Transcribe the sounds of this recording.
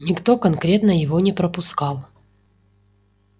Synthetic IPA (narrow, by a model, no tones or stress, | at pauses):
nʲɪkt̪o̞kɐnkɾʲe̞t̪nəjɪvo̞nʲɪpɾəpʊskɑlˠ